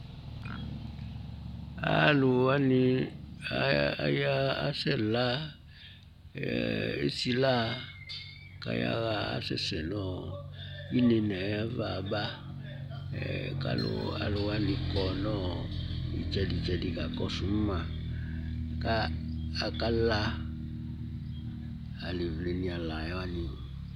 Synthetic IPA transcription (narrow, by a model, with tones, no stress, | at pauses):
a̰˨˦lu˨wa˦ni˨a˦ja˦a˦sɛ˦˨la˦ | e˦si˦la˦ | ka̰˨ja̰˦ɣa˨a̰˦sɛ̰˨sɛ˨nɔ˦˨ | i˦ne˨na˨ja˦va˨ba˦˨ | ka̰˦lʊ̰˨a̰˨lʊ˨wa˦lɪ˨kɔ˨nɔ˦˨i˨t͡ʃɛ˦di˨t͡ʃɛ˦di˨ka˨kɔ˦su˨˦m˦ma˨ | kaː˦˨ | ka˦la˦ | a˨le˨vle˨ni˨a˨la˨ja˦wa˦ni˨